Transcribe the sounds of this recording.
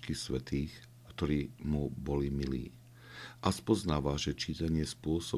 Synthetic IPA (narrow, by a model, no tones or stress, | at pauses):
kisʋɛt̪iːx | kt̪ɔɾiːmubɔlimilḭː | ʔaspɔznaːʋaʒɛt͡ʃiːt̪aɲɪɛspʊɔsɔ